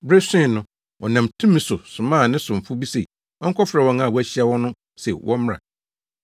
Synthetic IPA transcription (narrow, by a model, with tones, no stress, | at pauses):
bɾe˦sɪ̃˦˨nʊ̃˦ | ɔ˨nã˨mtʰũ˦mɪ̃˨sʊ˨sʊ˨mãː˦˨nɪ̃˦sʊ̃˨m̩˨fʊ˦bi˦se˨ | ɔ˦ŋ̩˦kʰɔ˦fɾɛ˨wɔ̃˦nã˨wæ˦˨ɕi˦ɛ˦wɔ̃˦nʊ̃˦ | sɛ̰˨wʔɔ̰̃˦m˦ɾa̰˨